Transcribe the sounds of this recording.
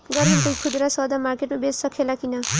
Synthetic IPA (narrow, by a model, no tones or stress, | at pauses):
ɡʌɾenp̪ukʰud̪ɾasɔd̪amaɾkeʈmabessʌkʰelakina